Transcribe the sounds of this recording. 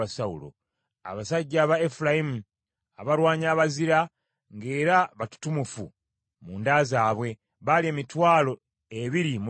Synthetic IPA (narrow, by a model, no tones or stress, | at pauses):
asaulo̰ | a̰βasaɟːaβaefulajimu | aβaɾwaːɲaːβaziɾa | ŋɡe̞ːɾaβatu̥tumufṵ | muːndaːzaːβwe̞ | βalieːmitwaːlo̞ | eβiɾimu